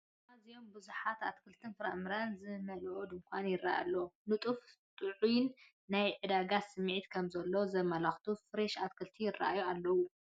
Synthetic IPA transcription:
azijo̞mbɨzuħat̪at̪kʰɨlt̪ʰɨnfɨɾa̰ʔmɨɾanzɨmɐlʔod̪ɨŋkʷʰanjɪra̰ja̰lːɐnɨt̪ʼuft̪ʼɨʕunː | ajʕɨd̪aɡasɨmːʕit̪kʰɐmzɐlːozɐmɐlaxt̪ʰufɨɾeʃat̪̚kʰɨlt̪ʰijɪrːa̰ʔajualːɐwu

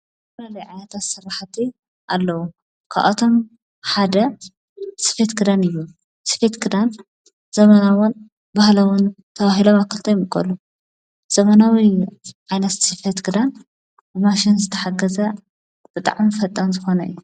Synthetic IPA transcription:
flɐlɐjʕajnɐt̪ʰat̪sɨrːaħt̪ʰi | ʔalːɐwu | kʰa̰ʔɐt̪ʰo̞m | ħad̪ɐ | sɨ̥fet̪ɡɨd̪anɨjːu | sɨ̥fet̪ɡɨd̪an | z̥ɐmɐnawun | bahlɐwʊn | t̪ʰɐβaɦilomakʰːɨlt̪ʰɐjmɨkʼːɐ̰lu | z̥ɐmɐnawiʕajnɐt̪sɨfet̪ɡɨd̪an | bɨmaʃinzɨt̪ʰɐħaɡɐzɐ | b̥ɨt̪ʼa̰ʕmifɐt̪ʼːɐnzɨxo̞nɐɨ̰jːu

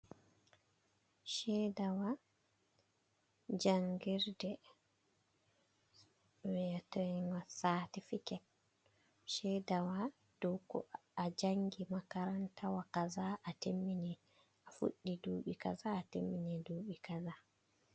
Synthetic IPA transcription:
ʃɛdawa | d͡ʒaŋɡiɾdɛ | wɛtɔjŋwasatifikɛt̚ | ʃɛdawa | d̥ɔwkɔ̰ad͡ʒaŋɡimakaɾantawakazaʔatemːini | ʔafṵɗːiduːɓika̰zaːtḛmːiniduːɓikaza

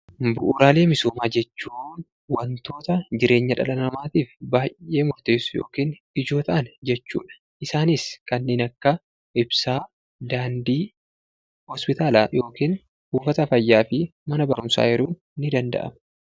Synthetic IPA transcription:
bʊʔuːɾaːle̞ːmɪsoːmaːd͡ʒɛt͡ʃːuːn | wɐnt̪o̞ːt̪ɐd͡ʒɪɾe̞ːɲːɐᶑɐlɐnɐmaːt̪iːfbaːjʔe̞ːmʊɾt̪eːsːʊ̥jo̞̰ːkiːn | ɪd͡ʒo̞ːt̪ɐʔɐnd͡ʒɛt͡ʃːṵːᶑɐ̥ | ʔɪsaːnɪskɐnːe̞ːnɐkːɐ | ʔɪbsaː | d̪aːnd̪iː | hɔspɪt̪aːlaːjo̞ːkiːn | buːfɐt̪ɐfɐjːaːfɪmɐnɐbɐɾʊmsa̰ːjɛɾuː | nɪd̪ɐnd̪ɐ̰ʔɐ̰mɐ

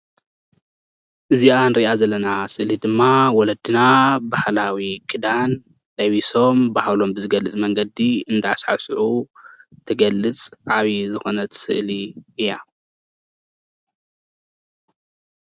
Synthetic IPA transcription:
ʔɨziʔanɨɾiʔazɐlːɐnasɨʔlid̪ɨmːawɔlɐd̪ɨnabahlawikʰɨd̪an | lɐwiso̞mbahlo̞mbɨzɨɡɐlːɨt͡sʼmɐŋɡɐd̪iɨnd̪aasħa̰sʕu | t̪ʰɨɡɐlːɨt͡sʼʕaβizɨxo̞nɐt̪sɨ̰ʔliʔɨja

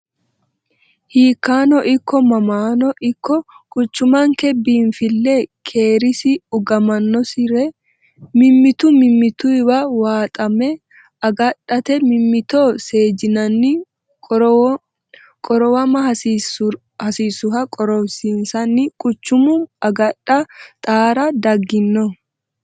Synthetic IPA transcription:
hiːkːaːnɔʔɪkːɔmɐmaːnɔʔɪkːɔkʼʊt͡ʃːʊmɐŋkɛbiːnfɪlːeːkʰe̞ːɾɪsɪʊɡɐmɐnːɔsɪɾɛ | mɪmːɪt̪ʊmɪmːɪt̪ʊɪbɐwaːt̪ʼɐmɛ | ɐɡɐᶑɐt̪ɛmɪmːɪt̪oːse̞ːd͡ʒɪnɐnːɪ | kʼɔɾɔwɐmɐhɐ | hɐsiːsʊɦɐkʼɔɾɔbsiːnsɐnːɪkʼʊt͡ʃːʊmʊɐɡɐᶑːɐt̪ʼaːɾɐd̪ɐɡːɪnːɔ

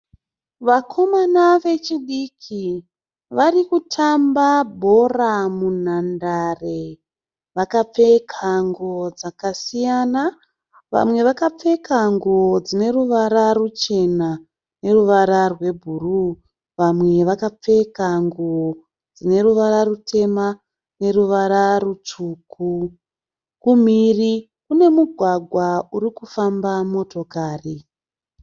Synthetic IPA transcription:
ʋakʰo̞manaʋe̞t͡ʃiɗikʰi | ʋarikutʰambabʱo̞ramunandare̞ | ʋakap͡fe̞kʰaŋɡuod͡zakasijana | ʋa̰mwe̞ʋakap͡fe̞kʰaŋɡuod͡zine̞ruʋaɾarut͡ʃe̞na | ne̞ruʋaɾarwe̞bʱuru | ʋamwe̞ʋakap͡fe̞kaŋɡuo | d͡zine̞ɾuʋaɾarutʰe̞ma | ne̞ruʋaɾarut͡ʂuːku | kumiri | kune̞muɡʱwaɡʱwaurikufambamo̞to̞kaːri

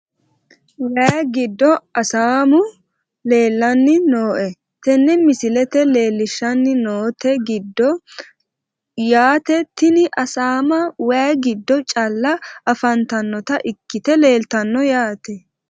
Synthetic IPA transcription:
wɐɡɪd̪ːɔɐsaːmʊ | le̞ːlːɐnːɪno̞ːʔɛ | t̪ɛnːɛmɪsɪlɛt̪ɛle̞ːlːɪʃːɐnːɪnoːt̪ɛɡɪd̪ːɔ | jaːt̪ɛt̪ːɪnɪʔɐsaːmɐwɐjɡɪd̪ːɔt͡ʃʼɐlːɐɐfɐnt̪ɐnːɔt̪ɐʔɪkːɪt̪ɛle̞ːlt̪ɐnːɔjaːt̪ɛ

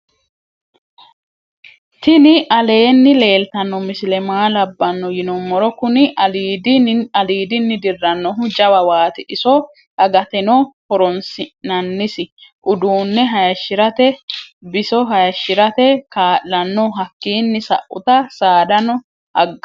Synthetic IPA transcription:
t̪ɪnɪʔɐle̞ːnːɪle̞ːlt̪ɐnːɔmɪsɪlɛmaːlɐbːɐnːɔjɪnɔmːɔɾɔkʊnɪd̪ɐliːd̪ɪnːɪd̪ɪrːɐnːɔɦʊd͡ʒɐwɐwaːt̪ɪʔɪsɔ | hɐɡɐt̪ɛnɔhɔɾɔnsɪnɐnːɪsɪʔʊd̪uːnːɛɦɐjɐʃːɪɾɐt̪ɛbɪsɔɦɐjɐʃːɪɾɐt̪ɛkaːʔːɐnːɔɦɐkːiːnːɪsɐ̰ʔːʊ̰t̪ɐsaːd̪ɐnɔ | hɐ̰ɡːɐ

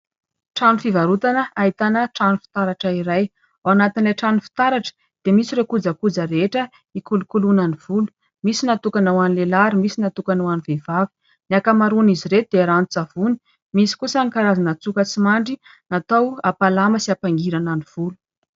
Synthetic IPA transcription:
ʈ͡ʂanufivaɾut̪anəaɦit̪anəʈ͡ʂanufi̥t̪aɾaʈ͡ʂəiɾaj | aanat̪inlajʈ͡ʂanufi̥t̪aɾaʈ͡ʂə̥ | d̪̥emisiɾekud͡zəkud͡zəɾeʈ͡ʂə | ikulukulunaniv̥ulu̥ | misinat̪ukanawanilelaɾimisinat̪ukanawanivevavi̥ | nakamaɾuniziɾet̪ud̪eaɾanut͡sav̥uni̥ | misi̥kusaŋikaɾazanət͡sukət͡simaɳɖ͡ʐi | nat̪awapalaməsiapaŋɡiɾananiv̥ulu̥

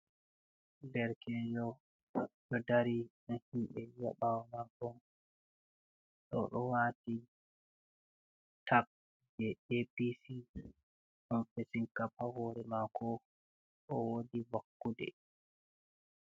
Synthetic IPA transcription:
lɛɾkɛjɔ | ɗɔdaɾiɗɔhiɓɛja̰ɓawamakɔn | ɗɔ̰ɗɔwati | tʰak̚ | d͡ʒɛepisi | ɗɔnfesiŋkapahɔːɾɛmakʰɔ | ɗɔwodiwakːudɛ̰

